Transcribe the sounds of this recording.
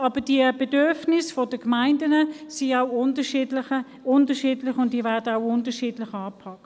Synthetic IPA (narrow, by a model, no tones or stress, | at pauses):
ɑːb̥əd̥iəb̥edøʁfnɪsfodəkmaɪndənəsiaʊʊntəʃidlɪə | ʊntəʃiːdlɪxʊntd̥iːvɛɐdəawʊntəʃiːdlɪxɑːpʰɑkt